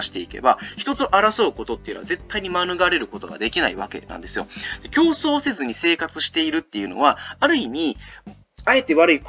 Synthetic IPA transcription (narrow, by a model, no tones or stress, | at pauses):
ɕi̥t̪e̞ike̞̰baçi̥t̪o̞t̪o̞ʔaɾaso̞ɯ̟ko̞t̪o̞t̪ːejɯ̟noaze̞t̪ːaiɲ̟imanɯ̟ɡaɾe̞ɾɯ̟ko̞t̪o̞ɡa̰d̪e̞kʲinaiβake̞̰nã̰nd̪e̞sɨjo̞̰d̪̥e̞kʲo̞ːso̞ːse̞zɨɲ̟ise̞ːkat͡sɨɕi̥t̪e̞iɾɯ̟t̪ːe̞jɯ̟no̞̰βaaɾɯ̟imʲi | ae̞t̪e̞βaɾɯ̟ik